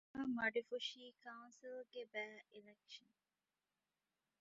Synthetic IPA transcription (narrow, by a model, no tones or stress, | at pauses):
əmɐɖifuʃiːkaʊnsilɡebæːilekʃən